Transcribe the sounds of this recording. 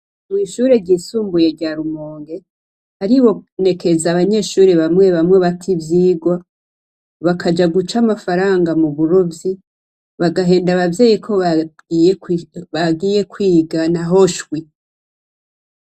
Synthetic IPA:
mwiːʃuːɾe̞ɾɟiːsuːmbujeɾɟaɾumoːŋɡe̞ | haɾiwo̞ne̞kʰe̞zaβaɲe̞ːʃuːɾeβamŋe̞βamŋe̞βatʰivjiːɡwa | βakʰad͡ʒaɡut͡ʃamafaɾaːŋɡamuβuɾovji | βaɡaɦe̞ːndaβavje̞ːjikʰo̞β | βaɡiːje̞kwiːɡanaɦo̞ʃwi

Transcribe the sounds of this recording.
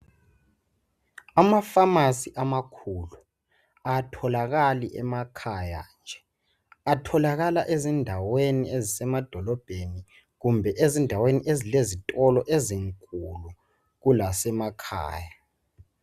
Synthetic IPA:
amafamasiʔamakʰulu | atʰɔlaɣaliʔɛ̰makʰaja̰nd͡ʒʱɛ | atʰɔlaɣalaʔezindʱaweniezisɛmad̥ʱɔlɔb̥ʱeni | ɣumbʱɛʔezindʱaweniʔezilezitʼɔlɔʔeziŋkʼulu | ɣulasɛmakʰa̰ːja

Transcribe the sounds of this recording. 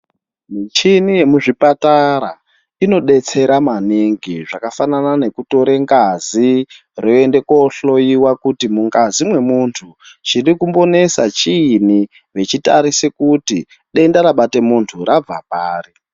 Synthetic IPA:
mit͡ʃinije̞muʐipataɾa | ino̞ɗe̞t͡se̞ɾamaniŋɡiʐakafananane̞kuto̞ɾeŋɡazi | rʔo̞e̞nde̞koɬo̞jiwakutimuŋɡazimwe̞muntʰut͡ʃirikumbo̞ne̞sat͡ʃiːni | ʋe̞t͡ʃitaɾisekuti | ɗe̞ndaɾaɓate̞muntʰurab͡va̰paːri

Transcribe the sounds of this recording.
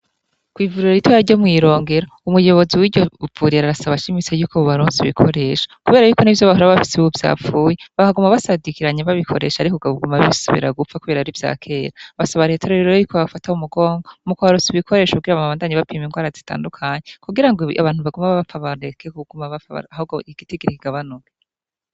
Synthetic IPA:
kwiːvuɾiɾoɾitwajaɾɟo̞mŋiːɾo̞ːŋɡe̞ɾo | umujo̞βo̞ziwiɟov̥uɾiɾaɾasaβaʃimit͡sejuːkoβoβaɾuːnziβikʰo̞ɾe̞ːʃḁkuβe̞ːɾajuːko̞nivjoβahuɾaββafi̥seβuvja̰ːfuːjeβahaɡumaβasadikiɾaɲeβaβikʰoɾe̞̰ːʃaːɾikoɡaβuɡumaβisuβḭɾaɡup͡fakuβeːɾaɾivja̰ːkʰe̞ːɾaβasaβaɾetʰeɾoɾeɾoojukʰoβafataumuɡo̞ːŋɡomukoβaɾoːnsiβikʰo̞ɾe̞ːʃokuɡiɾaβaaβaːndaɲeβapiːmiŋɡwaːɾazita̰ːndukʰaɲekuɡiɾaŋɡoʔa̰βaːnhuβaɡumaβaβafaβaɾekʰekuɡumaβafaβa̰ɾahoɡoiɡ̥itiɡiɾikiɡ̥aβanuke

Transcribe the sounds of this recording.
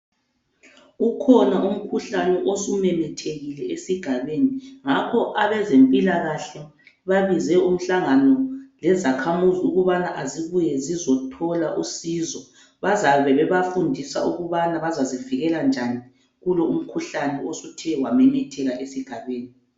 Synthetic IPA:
ukʰɔnaum̩kʰuɬanɛʔosumɛmɛtʰeɣilɛesiɡ̥ʱaβeːniŋakʰɔʔaβɛzempʼilaɣaɬɛ | βaβizɛum̩ɬaŋanɔlɛzakʰamuziuɣuβanaʔaziβujɛzizɔtʰɔlaʔusizɔ | βazaβɛβɛβafundʱisa̰uɣuβanaβazaziviɣɛland͡ʒʱani | ɣulɔum̩kʰuɬanɛosutʰɛwamɛmɛtʰɛɣaʔesiɡ̥ʱaβeːni

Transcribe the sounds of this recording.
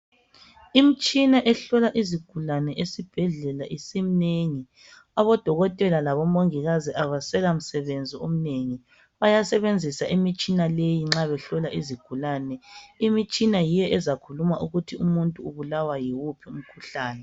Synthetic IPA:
imit͡ʃʼinaʔɛɬɔlaʔiziɡ̥ʱulanɛʔesib̥ʱɛɮɛlaʔisim̩neŋi | aβɔd̥ʱɔɣɔtʼɛlalaβɔmoŋiɣaziʔaβasɛɣam̩sɛβend͡zʱiom̩neŋi | βajasɛβend͡zʱisaʔimit͡ʃʼinalejiŋ͡ǁaβɛɬɔlaʔiziɡ̥ʱulanɛimit͡ʃʼinajijɛʔɛzakʰulumaʔuɣutʰiumuntʼuuβulawajiwupʰium̩kʰuɬaːnɛ

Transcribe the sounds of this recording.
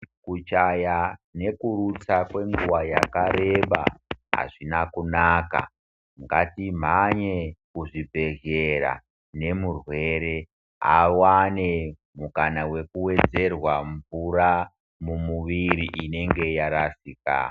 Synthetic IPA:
kut͡ʃajane̞kuɾut͡sakwe̞ŋɡuʋajakaɾe̞ɓa̰ɦa̰ʐinakunaka̰ | ŋɡatim̤aɲekuʐibe̞ʒeɾa̰ | ne̞murwe̞ɾe̞ | a̰wane̞ | mukanawe̞kuwe̞d͡ze̞rwaɱvura | mumuʋiɾiʔine̞ŋɡe̞jaɾasiːka̰

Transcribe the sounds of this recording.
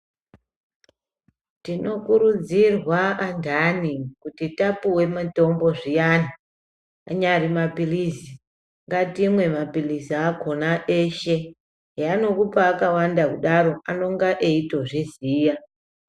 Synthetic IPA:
tino̞kuɾud͡zirwaandʱanikutitapuwe̞mato̞mbo̞ʐijana | a̰ɲarimapilizi | ŋɡatimwe̞mapiliziako̞naʔeʃe̞ | jano̞kupaːkawandakuɗaɾo̞ʔano̞ŋɡaʔeito̞ʐeziːja

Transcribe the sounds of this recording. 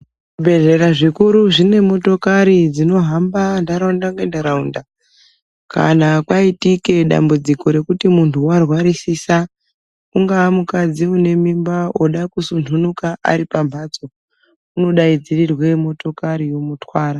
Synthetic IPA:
ubʱe̞ʐe̞ɾaʐikuɾuʐine̞mo̞to̞kaɾid͡zino̞ɦambandaɾaundakendaɾaunda | ka̰nakwaitike̞ɗa̰mbud͡ziko̞ɾe̞kutimuntʰuwarwaɾisiːsa | uŋɡaːmukad͡ziune̞mimbaoɗakusuntunukaʔa̰ɾipambat͡so̞ | uno̞ɗaid͡zirirwe̞mo̞to̞kaɾijo̞mutwaːɾa

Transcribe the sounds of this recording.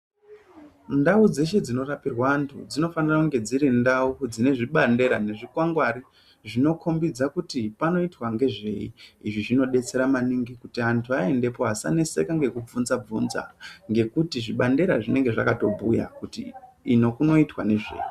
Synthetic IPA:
ndaud͡ze̞ʃe̞d͡zino̞rapirwantʰṵd͡zino̞fanirakuŋɡe̞d͡ziɾindaud͡zine̞ʐiɓande̞ɾane̞ʐikwaŋɡwaɾi | ʐino̞kʰo̞mbid͡zakutipano̞itwaŋɡe̞ʐe̞iiʐiʐino̞ɗe̞t͡se̞ɾamaniŋɡikutiantʰuae̞nde̞poasa̰ne̞se̞̰kaŋɡe̞kub͡vunzab͡vunza̰ŋɡe̞kutiʐiɓande̞ɾaʐine̞ŋɡe̞ʐakato̞bʱuja̰kutiː | nokuno̞itwane̞ʐe̞̰ːji

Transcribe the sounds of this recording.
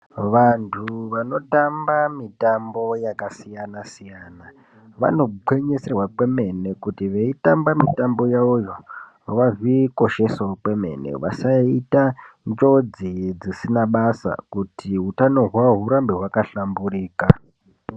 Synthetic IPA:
ʋantʰuʋano̞tambamitambo̞jakasijanasijana | ʋa̰no̞ǃwe̞ɲeserwakwe̞me̞ne̞kutiʋe̞itambamitambo̞jaujo̞ | ʋaviko̞ʃe̞sokwe̞me̞̰ne̞̰ʋa̰saitand͡ʒo̞d͡zid͡zisinaɓasa̰kutʰiɦutano̞ɦwaɦuɾambiɦwakaɬamburiːka

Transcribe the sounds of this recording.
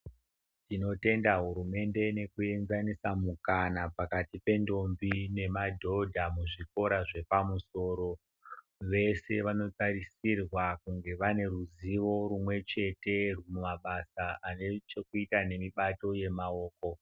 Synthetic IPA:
tino̞te̞ndaɦuɾume̞nde̞ne̞kue̞nzanisamukanapakatipe̞ndo̞mbine̞madʱo̞dʱamuʐiko̞ɾaʐe̞pamuso̞ːɾo̞ | ʋe̞se̞ʋano̞tarisirwakuŋɡe̞ʋane̞ruziʋo̞ɾumwe̞t͡ʃe̞te̞rmumaɓasaanet͡ʃe̞kuitane̞miɓato̞je̞mao̞ːko̞

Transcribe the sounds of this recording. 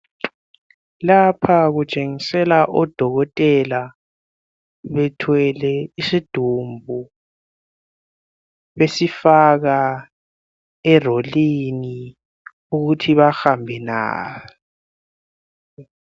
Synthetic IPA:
lapʰaɣut͡ʃʼeŋisɛlaʔɔd̥ʱɔɣɔtʼɛla | βɛtʰwɛlɛisid̥ʱumbʱu | βesifaɣa | ɛrolini | uɣutʰiβaxambʱɛna̰ː

